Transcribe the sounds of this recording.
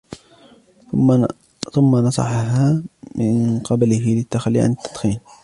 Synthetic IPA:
θʊmːanɑsˤɑ̰ħɦaːmɪnqɑblɪɦɪlɪt̪ːaxalːḭʕa̰nɪt̪ːɑd̪ˤxiːn

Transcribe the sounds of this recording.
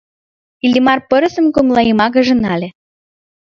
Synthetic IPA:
ilʲimɑrpɤ̆ɾə̆sə̆mkoŋlˠɑjimɑɣə̆ʒə̆nɑlʲĕ

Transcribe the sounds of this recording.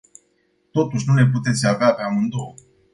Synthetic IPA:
t̪o̞t̪uʃnune̞put̪e̞t̪sʲaveapeamɨnd̪oo

